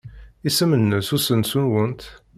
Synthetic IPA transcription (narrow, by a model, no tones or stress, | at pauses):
isəmənːəsusənsunwənt̪